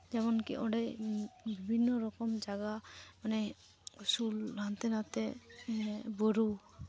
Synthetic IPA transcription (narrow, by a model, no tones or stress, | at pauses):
d͡ʒɛmɔnkiʔɔɖɛbibʱinːɔɾɔkɔmd͡ʒaɡamanɛ | sulɦant̪ɛnat̪ɛ | boɾu